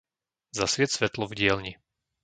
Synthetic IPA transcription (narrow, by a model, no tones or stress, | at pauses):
zasʋɪɛsʋɛt̪lɔvɟɪɛlɲi